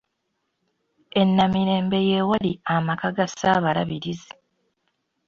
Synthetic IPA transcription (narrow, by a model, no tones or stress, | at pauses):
e̞nːamiɾe̞ːmbe̞je̞ːwaliamakaɡasaːβalaβiɾizi